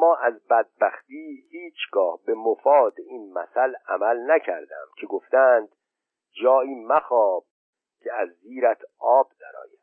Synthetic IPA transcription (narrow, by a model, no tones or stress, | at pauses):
mɒːʔæzbæd̪̚bæxt̪iːhiːt͡ʃʰɡɒːhbe̞mofɒːd̪eiːnmæ̰sælæmælnæcʰæ̰ɾd̪æ̰mcʰe̞ɡoft̪æːnd̪̥ | d͡ʒɒːiːmæxɒːb̥̚ | cʰeæzːiːɾæt̪ʰʔɒːb̚d̪æɾɒ̰ːjæd̪